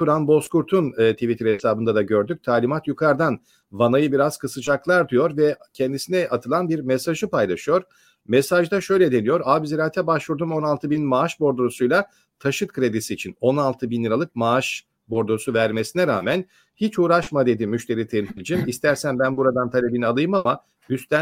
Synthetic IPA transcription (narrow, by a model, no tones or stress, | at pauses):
tʰuɾanbo̞skuɾt̪ʰunːt̪ʰivit̪ʰɾhesaːbɯnd̪ad̪aɟø̞ɾd̪yc̚ʲt̪ʰaːlʲimat̪jukʰaɾd̪an | vanajɯbiɾaz̥kʰɯsɯt͡ʃaklˠaɾd̪ɯjo̞ɾvɛcʰɛnd̪isinɛʔat̪ʰɯlˠanbiɾmesaʒɯpajlˠaʃɯjo̞ɾ | mesaʒd̪aʃø̞jlʲɛd̪e̞nijo̞ɾaːbiziɾaːt̪ʰɛbaʃvuɾd̪umo̞nalˠt̪ʰɯbinmaːʃbo̞ɾd̪uɾusujlˠa | t̪ʰaʃɯk̪̚kʰɾe̞d̪isiːt͡ʃʰino̞nalˠt̪ʰɯbinlʲiɾalˠɯk̚maaʃ | bo̞ɾd̪osuvæɾme̞sinɛɾaːmæn | hit͡ʃuːɾaʃmad̪e̞d̪imyʃt̪ʰe̞ɾit̪ʰemsilʲid͡ʒimist̪ʰæɾsænbænbuɾad̪ant̪ʰalʲe̞binialˠɯjɯmama | yst̪æ